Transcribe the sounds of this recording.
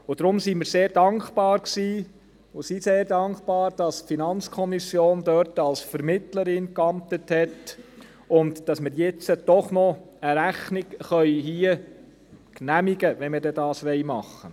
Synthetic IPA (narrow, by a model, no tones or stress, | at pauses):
ʊd̥ɾʊmsimɪɾseːɾd̥ɑŋkb̥ɑːɾksiː | ʊsiseːɾdɑŋkb̥ɑːɾd̥ɑstfinɑnt͡skʰɔmisjoːndœɾtɑlsfɛɾmɪtləɾɪnkɑmtəthɛt | ʊntd̥ɑsmɪɾjɛt͡səd̥ɔχnɔ | əɾæχnɪkχœʏɦiːə | knæmiɡəʋɛnmɪɾdɛdɑːsʋɛɪmɑχːə